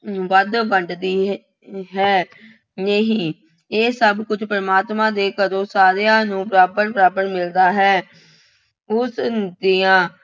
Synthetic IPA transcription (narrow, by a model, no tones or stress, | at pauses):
ʋəd̪ʋəɳɖd̪iː | ɦɛː | neɦiː | eːsəbkʊd͡ʒpəɾəmaːt̪mãːd̪eːkəɾõːsaːɾejãːnũːbəɾaːbəɾbəɾaːbəɾmɪld̪aːɦɛː | ʊsd̪iːãː